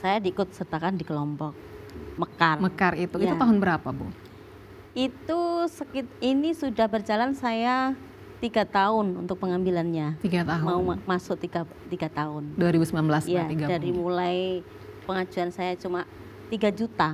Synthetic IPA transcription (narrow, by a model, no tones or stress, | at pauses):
sajadiːkʊt̪̚sərt̪akandikəlɔmpɔk̚məkarməkarit̪uitaut̪aɦʊnbəɾapabʊ̰ | ʔit̪usəkit̪inisudahbərd͡ʒalansaja | t̪iɡat̪aɦʊnṵnt̪ʊk̚pəŋambilanɲat̪iɡat̪aɦʊmaumasʊk̚t̪iɡa | t̪iɡat̪aɦʊnduaɾibusəmbilanmbəlasjaiɡadaɾimulaj | pəŋad͡ʒuansajat͡ʃuma | t̪iɡad͡ʒut̪a